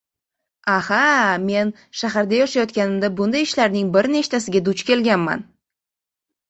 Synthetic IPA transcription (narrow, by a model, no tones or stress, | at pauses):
ahame̞n | ʃaɦaɾd̪ajɒʃajɒt̪kʲanɪmd̪abʊnd̪ajɪʃlaɾnɪŋbɪɾne̞t͡ʃt̪ʰasɪɡʲad̪ʊt͡ʃkʲe̞lɡʲanma̰n